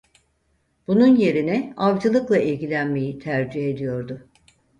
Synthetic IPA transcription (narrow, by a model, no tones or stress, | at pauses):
b̥ununje̞ɾinɛavd͡ʒɯlˠɯklˠaʔilʲɟilʲænme̞jit̪ʰæɾd͡ʒiɦe̞d̪ijo̞ɾd̪ʊ